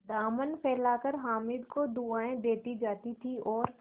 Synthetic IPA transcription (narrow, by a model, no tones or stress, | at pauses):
d̪aːmənpʰɛːlaːkəɾɦaːmɪd̪kod̪uaːẽd̪eːt̪id͡ʒaːt̪it̪ʰiɔːɾ